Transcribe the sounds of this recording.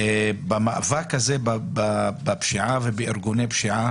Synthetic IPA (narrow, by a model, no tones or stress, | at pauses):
ebamaʔavakhazebabababʃiʕavebeʔiɾɡunejbʃiʕa